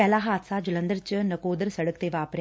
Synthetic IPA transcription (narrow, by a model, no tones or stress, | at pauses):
ɛːlaːɦaːt̪saːd͡ʒʊlə̃nd̪əɾt͡ʃənɐkoːd̪əɾsɐɽəkt̪eːʋaːpɾ